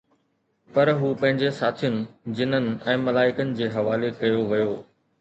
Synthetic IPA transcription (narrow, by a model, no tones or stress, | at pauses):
pɐɾɦuːpɐ̃ɦɪ̃ɲd͡ʑesaːt̪ʰijʊnɪ̆d͡ʑɪnənɪ̆ɛ̃ːmɐlaːɪkənɪ̆d͡ʑeːɦɐʋaːlekɐjoʋɐjoː